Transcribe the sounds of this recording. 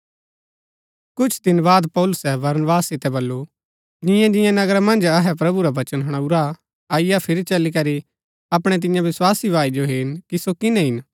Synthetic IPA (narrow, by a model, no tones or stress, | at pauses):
kʊt͡ʃʰd̪ɪnbaːd̪pɔːlʊsɛbɐɾnbaːsːɪt̪ɛbɐlːu | d͡ʒɪ̃jãd͡ʒɪ̃jãnɐɡɾamɐ̃nd͡ʒɐɦɛp̬ɾɐbuɾaʋɐt͡ʃənɦɐɽ̃ɐuɾa | aːɪjapʰɪɾit͡ʃɐlikɐɾi | ɐpɽ̃ɛt̪̬ɪ̃jãʋɪswaːsibʋaːid͡ʒoɦɪːnkisokɪnɛ̃ɦɪn